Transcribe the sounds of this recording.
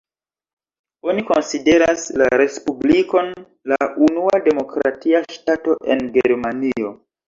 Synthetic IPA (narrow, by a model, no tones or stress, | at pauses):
o̞niko̞nside̞ɾaslaɾe̞spubliko̞n | launuade̞mo̞kɾa̰tiaʃtato̞ʔe̞nɡeɾmanio̞